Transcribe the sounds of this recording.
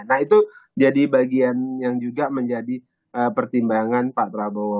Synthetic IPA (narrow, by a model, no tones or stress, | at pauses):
nait̪ud͡ʒadibaɡianjaŋd͡ʒuɡaməɲd͡ʒadi | ʔəpərt̪imbaŋanpapɾabo